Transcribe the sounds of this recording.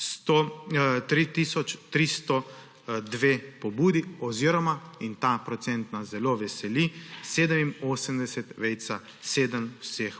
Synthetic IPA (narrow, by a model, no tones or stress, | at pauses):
st̪ot̪ɾit̪isɔt͡ʃt̪ɾist̪ɔ | d̪ʋeːpɔbuːd̪iɔziːɾɔmaint̪apɾɔt̪sɛnt̪nazɛloʋɛsɛliseːd̪əminoːsəmd̪ɛsɛt̪ʋɛjt̪sa | seːd̪əmwsex